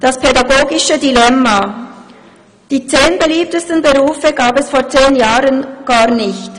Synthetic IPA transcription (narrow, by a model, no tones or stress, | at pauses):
d̥aspʰɛdaɡoːɡɪʃədilɛmːa | d̥iːt͡seːnbeliːp̚təstən̩bəʁuːfəɡaːpɛsfoːt͡seːnjaːʁənɡ̥aːʁnɪçt